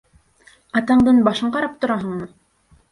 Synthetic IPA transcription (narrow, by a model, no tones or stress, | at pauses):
ɑt̪ɑɴd̪ɤnbɑʃɤɴqɑɾɑp̚t̪ŏɾɑɦɤ̆ɴmɤ